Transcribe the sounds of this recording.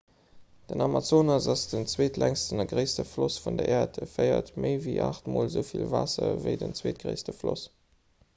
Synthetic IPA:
d̥ənɑmat͡soːnɑsɑsd̥ənt͡sweːtʰlæŋstənɐɡʁəɪstəflosfundɐʔeːɐtəfɜɪɐ̰tməɪviʔaːχtmoːlzəʊfilvɑːsɐvəɪdənt͡sweːt̚ɡ̥ʁəɪstəflos

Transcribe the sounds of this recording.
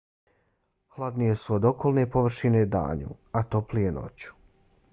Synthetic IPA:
hlˠad̪nije̞suod̪o̞ko̞lˠne̞poʋr̩ʃine̞d̪a̰ːɲṵat̪o̞plijeno̰t͡ɕu̥

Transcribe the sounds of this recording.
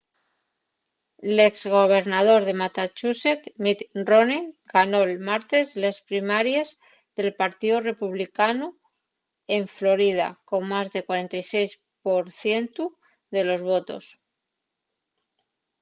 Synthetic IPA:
le̞kzɣo̞β̞e̞ɾnað̞o̞ɾð̞e̞mat̪at͡ʃuse̞t̪mit̪roneŋɡano̞elmaɾt̪e̞zlespɾimaɾjez | ðe̞lpaɾt̪iðure̞puβ̞likanu | e̞ɱflo̞ɾið̞a̰ko̞ŋmazðe̞kwaɾe̞nt̪ajse̞js | po̞ɾθje̞nt̪u | ðe̞lo̞zβo̞t̪o̞̰s

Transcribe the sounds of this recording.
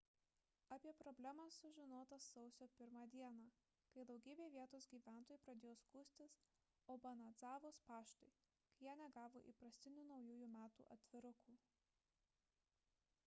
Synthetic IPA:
ɐpʲiɛpɾɔbʲlʲæmɐsːʊʒʲɪnoːt̪ɐsːɒʊsʲoːpʲɪɾmɑːd̪ʲiɛnɑː | kɐɪd̪ɒʊɡʲiːbʲeːʋʲiɛt̪oːsɡʲiːʋʲæˑnt̪oːjuːˑpɾɐd̪ʲeːjoːskuːsʲt̪ʲɪs | oːbɐnɐd̪zɑːʋoːspɑːʃt̪ɐɪ | kɐɪjæːnʲɛɡɑːʋoːʔḭpɾɐsʲt̪ʲɪnʲuːnɒʊjuːjuːmʲæːt̪ṵʔɐ̰t̪ʲʋʲɪɾʊkuː

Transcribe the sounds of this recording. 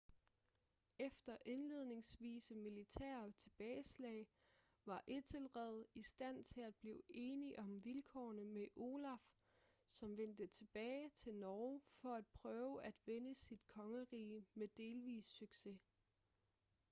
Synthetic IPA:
efd̥ɐʔe̝nle̝ð̰ˠne̝ŋsʋḭːsəmilit͡sʰɛ̰ːɐt͡sʰe̝b̥ɛːɪslɛ̰ːɪ | ʋɑ̈ʔe̝d̥ʰelʁɛð̞̩ˠisd̥æn̰t͡sʰe̝læd̚b̥lḭːʊe̝ːniʔɒ̽mʋilkʰɒ̰ːnəmeʔo̝ːlæf | sɒ̽mʋen̰d̥ət͡sʰe̝b̥ɛːɪt͡sʰe̝lnɒːfɒ̽æd̥̚pʰʁœːʊæd̥ʋenəsid̥kʰɒ̽ŋəʁḭːmed̥e̝ːlʋḭːsːyɡ̥se̝

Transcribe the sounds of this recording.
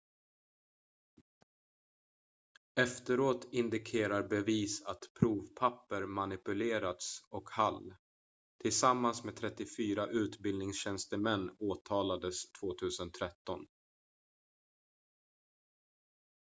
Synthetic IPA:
ɛft̪əɾoːt̪ɪnd̪ɪkʰeːɾaɾbɛviːsat̪pʰɾuːvpʰapːəɾmanɪpɵleːɾat̪sɔkhal | t̪ʰɪlsamːansmeːdt̪ʰɾɛt̪ːɪfyːɾaʔʉ̟ːt̪bɪlnɪŋsɕɛnst̪əmɛnːoːt̪ʰɑːlad̪əst̪ʰv̥oːt̪ʰʉ̟ːsənt̪ʰɾɛt̪ːɔn

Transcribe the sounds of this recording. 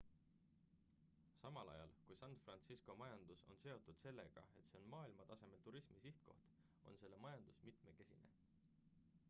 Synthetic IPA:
sɑmɑlɑ̰jɑ̰lkujsɑnfrɑnt̪sisko̞mɑjɑnd̪̥uso̞̰nse̞o̞t̪ːˑud̪̥se̞lːe̞ɡ̥ɑ̰e̞t̪se̞o̞nmɑːilmɑt̪ɑse̞me̞lt̪uɾismisiht̪ko̞̰ht̪ | o̞̰nse̞lːe̞mɑjɑnd̪̥usmit̪me̞ke̞sine̞̰

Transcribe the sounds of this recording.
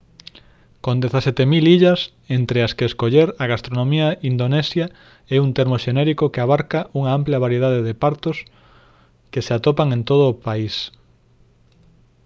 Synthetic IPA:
kond̪eθasɛt̪emiliʎɐs | ent̪ɾeaskeːskoʎeɾɐɣast̪ɾonõmiɐind̪onɛsja | ɛunt̪eɾmoʃenɛɾikokeaβ̞aɾkaʔuŋaampljɐβaɾjeðaðeðepaɾt̪os | keseat̪opaŋent̪oð̞ʊːpais

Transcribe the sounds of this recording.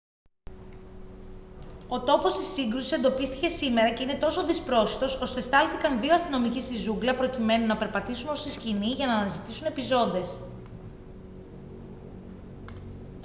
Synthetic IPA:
o̞t̪o̞po̞st̪isiŋɡɾusi̥se̞nd̪o̞pist̪i̥ce̞sime̞ɾɐce̞ine̞t̪o̞so̞ðispɾo̞si̥t̪o̞so̞st̪e̞st̪ɐlθikɐnðio̞ɐst̪ino̞micist̪izuɡlɐpɾo̞cime̞nunɐpe̞ɾpɐt̪isunost̪isciniʝɐnɐːnɐzit̪isune̞pizo̞nd̪e̞s

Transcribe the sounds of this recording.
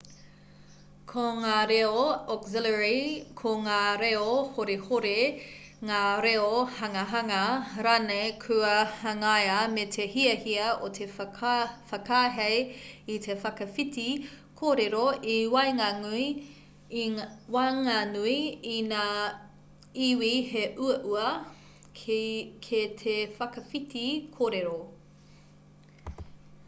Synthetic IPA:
kʰoŋaːɾeoɔkzɪləɹikʰoŋaːɾeohoɾehoɾe | ŋaːɾeohɐŋɐɦɐŋɐɾanejkʰʉɐhɐŋajɐmetʰehiɐhiɐotʰe | fɐkaːɦejitʰefɐkɐfiti | kʰoːɾeɾoiwɐjŋanui | waŋanuiinaː | iwiheʔuɐʔuɐ | kʰet̪ʰefɐkɐfitikʰoːɾeɾo

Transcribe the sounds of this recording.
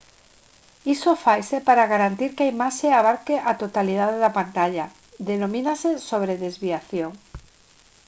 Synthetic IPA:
isofajse̞paɾaɣaɾant̪iɾkajmaseaβ̞aɾkeʔat̪ot̪alið̞aðelapant̪aʎa | ðenõ̞mĩnaseso̞β̞ɾeðe̞zβiaθjo̞ŋ

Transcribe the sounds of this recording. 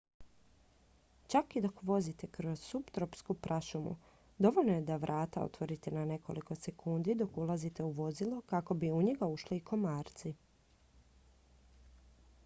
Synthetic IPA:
t͡ʃakid̪o̞kʋo̞zit̪ekɾo̞z̥supt̪ɾopskupɾʔaʃumṵ | d̪o̞ʋo̞lnoje̞d̪aʋɾʔaːt̪ao̰t̪ʋo̞ɾit̪enane̞ko̞liko̞se̞kʰund̪id̪o̞kulˠazit̪e̞uʋo̞zilˠokako̞biuɲeɡauʃliiko̞maːɾt̪si

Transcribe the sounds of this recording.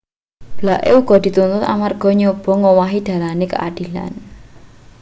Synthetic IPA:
b̥laʔeuɡ̥ɔ̤d̪̥i̤t̪unt̪ʊt̪a̰marɡ̥ɔ̤ɲob̥ɔ̤ŋowaɦid̪̥a̤lanekə̰ʔa̰ɖ̪̥i̤la̰n

